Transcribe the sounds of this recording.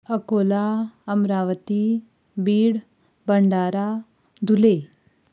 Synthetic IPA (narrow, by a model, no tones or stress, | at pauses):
əkolaəmɾaʋət̪i | biːɽ | bəɳɖaːɾa | d̪ʱule